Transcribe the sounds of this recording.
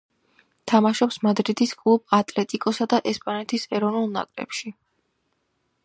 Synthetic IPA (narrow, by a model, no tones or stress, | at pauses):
t̪ʰamaʃɔpsmad̪ɾid̪iskʼlˠub̥̚at̪ʼlɛt̪ʼikʼɔsad̪aʔɛspʼanɛt̪ʰisɛɾɔvnulˠna̰kʼɾɛ̰pʃi